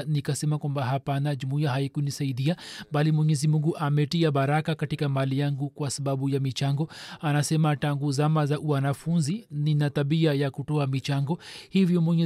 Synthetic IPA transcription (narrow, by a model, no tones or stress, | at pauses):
nikasɛmakwambaɦapanaʄumuiaɦaikunisaiɗiabalimwɛɲɛzimuŋɡuʔamɛtiaɓaɾakakatikamalijaŋɡukwasaɓaɓujamit͡ʃaŋɡɔanasɛmataŋɡuzamazaʔuanafunzininataɓiajakutɔamit͡ʃaŋɡɔhivjɔmwɛɲɛ